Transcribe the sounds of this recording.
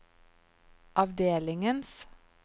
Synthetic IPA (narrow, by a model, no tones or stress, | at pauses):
ʔɑʋd̪eːlɪŋəns